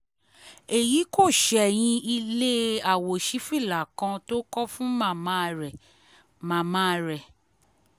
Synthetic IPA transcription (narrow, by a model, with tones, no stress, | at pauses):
e˨ji˨˦ko˦˨ʃɛ˨j̃ĩ˧i˧le˦a˨wo˨ʃi˨˦fi˦˨la˨kã˧to˦kɔ˦fũ˦mã˦˨mã˦ɾɛ˨ | mã˨mã˦ɾɛ˨